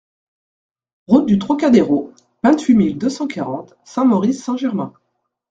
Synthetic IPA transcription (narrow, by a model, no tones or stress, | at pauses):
ʁut̪̚d̪yt̪χɔkad̪eʁo | vɛ̃t̪ɥimild̪øsɑ̃kʰaʁɑ̃t̪ | sɛ̃mɔʁisːɛ̃ʒɛʁmɛ̃